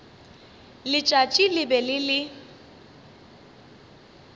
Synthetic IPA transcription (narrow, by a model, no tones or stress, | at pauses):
lɪt͡ʃʼat͡ʃʼilɪbɛlɪlɪ